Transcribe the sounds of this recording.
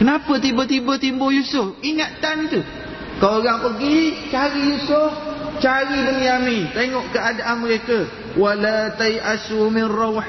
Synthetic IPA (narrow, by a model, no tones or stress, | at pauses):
kənapət̪̬ibət̪ibət̪imbʊjusʊfiŋat̪anit̪u | kaoɾaŋpəɡit͡ʃaɾijusʊft͡ʃaɾidəmijamĩt̪eŋɔʔkəadaʔanməɾekə | walat̪ajʔasumɪnrɑwħ